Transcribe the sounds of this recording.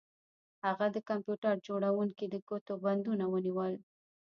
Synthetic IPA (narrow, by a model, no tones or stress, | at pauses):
haɣad̪əkampjuʈaɾd͡ʒoɽawuŋkid̪əkot̪oband̪unawəniwəl